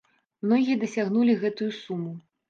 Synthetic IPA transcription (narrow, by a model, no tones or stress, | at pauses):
mnɔɣʲijɐd̪ɐsʲaɣnulʲiɣɛt̪ujusumu